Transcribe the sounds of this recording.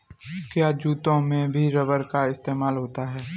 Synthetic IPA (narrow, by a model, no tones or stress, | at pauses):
kjaːd͡ʒuːt̪õmẽbʱiɾəbəɾkaɪst̪eːmaːlɦoːt̪aɦɛː